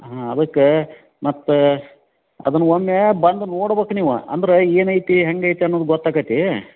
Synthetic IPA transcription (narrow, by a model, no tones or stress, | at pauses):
ɦaɐd̪ɐkːe | mɐt̪ːu | ɐ̰d̪ɐnːuɦomːjebɐnd̪unoːɽbeːkuniːʋṵɐ̰nd̪ɐɾeeːnɐjt̪iɦeŋɡɐjt̪iɐnːoːd̪uɡɔt̪ːaːɡɐt̪i